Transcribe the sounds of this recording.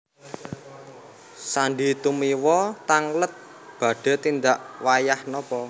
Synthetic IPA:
saɳɖit̪umiwɔt̪aŋlət̪̚ | b̥ä̤ɖ̥a̤t̪ind̪aʔwajahnɔpɔ

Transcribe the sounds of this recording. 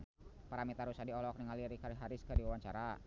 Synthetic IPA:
paɾamit̪aɾusadiɔlɔk̚niŋaliɾikaɾɦaɾɪskadiwawaɲt͡ʃa̰ɾa

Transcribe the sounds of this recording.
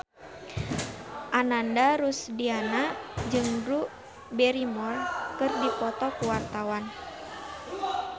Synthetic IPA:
ʔanandaɾusdianad͡ʒɨŋdɾuʔ | bɛɾimɔrkɨrdipɔt̪ɔkuwart̪awan

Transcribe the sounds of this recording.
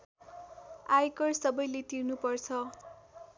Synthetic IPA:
ajkʌrsʌbʌjletirnupʌrt͡sʰʌ

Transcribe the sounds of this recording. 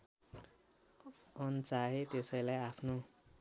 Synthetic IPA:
ʌnt͡saɦet̪esʌjlajapʰno

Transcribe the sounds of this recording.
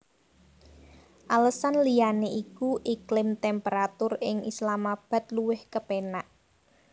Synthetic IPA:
ʔaləsanlijaneʔikuʔiklɪmt̪ɛmpeɾat̪ʊrɪŋʔislamab̥ä̤t̪̚luwɪhkəpenaʔ

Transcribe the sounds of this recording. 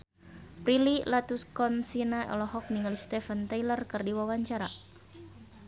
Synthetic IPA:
pɾililat̪uskɔnsinaʔɛ̰lɔɦɔk̚niŋalist̪ɛfənt̪ajlərkɨrdiwawaɲt͡ʃaɾa

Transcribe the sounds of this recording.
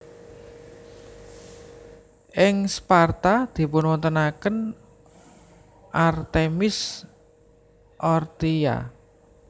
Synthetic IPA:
ʔɪŋspart̪ad̪̥i̤pʊnwɔnt̪ənakən | ʔart̪emɪs | ʔɔrt̪ia̰

